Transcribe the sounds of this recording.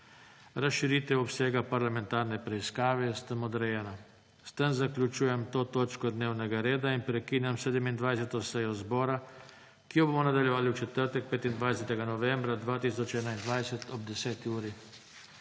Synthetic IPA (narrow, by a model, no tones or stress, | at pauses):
ɾasʃiɾiːt̪ɛwɔpseːɡapaɾlamɛnt̪aːɾnɛpɾɛiskaːʋɛst̪əmɔd̪ɾɛjɛːna | st̪əmzaklʲut͡ʃuːjɛmt̪oːt̪oːt͡ʃkɔd̪neːwnɛɡaɾeːd̪ainpɾɛkiːnjamsɛːd̪əmind̪ʋajsɛt̪ɔsɛjɔzbɔːɾa | kijɔboːmɔnad̪aljɛʋaːliut͡ʃɛt̪əɾt̪ɛk̚peːt̪ind̪ʋajsɛt̪ɛɡanɔʋɛmbɾad̪ʋaːt̪iːsɔt͡ʃɛːnaind̪ʋajsɛt̪ɔb̚d̪ɛsɛːt̪iuːɾi